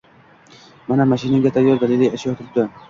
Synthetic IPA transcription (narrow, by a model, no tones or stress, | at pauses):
manamaʃɪnaɡʲat̪ʰajːɒɾd̪alɪlːajaʃʰajɒt̪ʰɪɾɪp̚d̪ɪ